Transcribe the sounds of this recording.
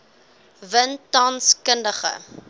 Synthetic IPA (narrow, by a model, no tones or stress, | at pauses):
vəntɐnskəndəχə̰